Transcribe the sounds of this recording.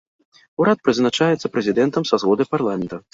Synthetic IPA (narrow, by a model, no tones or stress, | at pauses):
uɾat̪̚pɾɨznat͡ʂajɛt̪sːɐpɾɛzʲid̪ɛnt̪ɐmsazɣɔd̪ɐjparlˠamʲɛnt̪ɐ